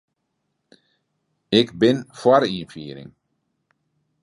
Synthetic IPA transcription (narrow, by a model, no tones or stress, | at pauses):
ɪkbɪnfɔɾinfyːɾɪ̰ŋ